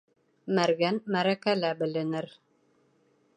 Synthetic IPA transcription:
mæɾɡænmæɾækælæbɘ̆lɘ̆nɘɾ

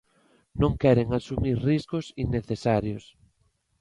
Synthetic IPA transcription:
nõŋkɛɾeŋasumiɾriskʊsinːeθesaɾjos

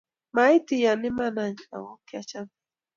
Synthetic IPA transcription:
majt̪ɪjanɪmanaɲa̰wokjat͡ʃan

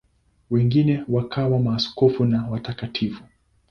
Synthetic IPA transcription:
wɛŋɡinɛwakʰawamaːskɔfunawatakatʰifu

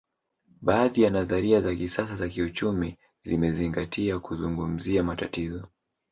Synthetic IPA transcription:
ɓaːðijanaðaɾiazakisasazakiut͡ʃumi | zimɛziŋɡatʰiakuzuŋɡum̩ziamatatizɔ

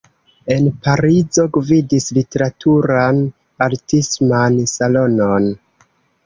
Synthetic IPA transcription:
e̞npaɾizo̞ɡvidislite̞ɾatʰuɾan | aɾtismansalo̞no̞n

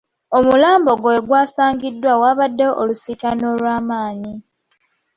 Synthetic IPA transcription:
o̞mulaːmbo̞ɡoeɡwaːsaːŋɡidːwawaːβadːeʔolusitano̞ːlwaːmaːɲi

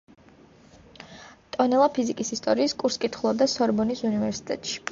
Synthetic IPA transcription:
t̪ʼɔnɛlˠapʰizikʼisist̪ʼɔɾiːskʼuɾskʼit̪ʰχulˠɔb̚d̪asɔɾbɔnisunivɛɾsi̥t̪ʼɛ̰t̪ʼʃi̥

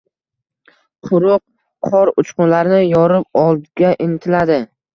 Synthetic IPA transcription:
qʰʊɾʊq̚ʰː | ɒɾʊt͡ʃqʊnlaɾnɪjɒɾɪp̚ɒlˠd̪ɡʲaʔɪnɪt̪ʰɪlad̪ɪ

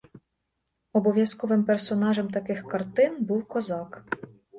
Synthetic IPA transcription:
ɔbɔʋʲjaskɔʋɪmpɛrsɔnɑʒɛmt̪akɪxkart̪ɪnbuwkɔzɑk

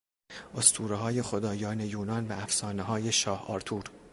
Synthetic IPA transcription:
ʔost̪ʰuːɾeɦɒːje̞xod̪ɒːjɒːne̞juːnɒːnvææfsɒːneɦɒːjeʃɒːhɒ̰ːɾt̪ʰuːɾ

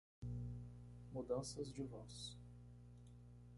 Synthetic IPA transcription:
mud̪ɐ̃sɐzd͡ʒɪvɔs

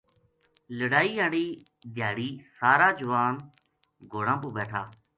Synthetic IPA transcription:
ləɽaːiːãːɽiː | d̪ʱjaːɽiːsaːɾaːd͡ʒʊʋaːn | ɡʱoːɽãːpuːbɛːʈʰaː

